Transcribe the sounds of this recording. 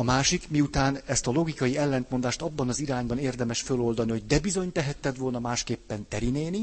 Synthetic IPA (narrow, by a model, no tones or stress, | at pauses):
ɒmaːʃikmiut̪aːnɛst̪ɒlo̞ɡikɒjiɛlːɛnt̪mo̞nd̪aːʃt̪ɒbːɒnɒziɾaːɲbɒneːrd̪ɛmɛʃfølo̞ld̪ɒniho̞ɟ̚d̪ɛbizo̞ɲt̪ɛɦɛt̪ːɛd̪ʋo̞lnɒmaːʃkeːpːɛnt̪ɛɾineːni